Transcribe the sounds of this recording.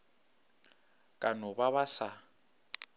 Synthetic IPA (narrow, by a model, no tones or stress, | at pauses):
kʼanɔbaβasa